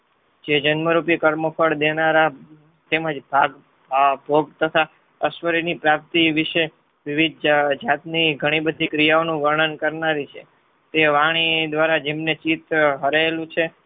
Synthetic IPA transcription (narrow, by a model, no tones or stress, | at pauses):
d͡ʒed͡ʒənməɾupiekəɾməfʰəɽd̪enaɾa | t̪eməd͡ʒbʱaɡ | bbʱoɡ̚t̪ət̪ʰa | əʃʋəɾinipɾap̚t̪iʋɪʃe | ʋiʋid̪ʱd͡ʒd͡ʒat̪niɡʱəɽ̃ibəd̪ʱikɾijaonũʋəɾɳənkəɾnaɾit͡ʃʰḛ | t̪eʋaɽ̃id̪ʋaɾad͡ʒemnet͡ʃit̪ɦəɾaelũt͡ʃʰe